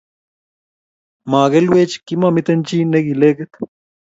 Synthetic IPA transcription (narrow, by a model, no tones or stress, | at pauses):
maːɣelweːt͡ʃkimamit̪ɐnt͡ʃineɡileɡet̪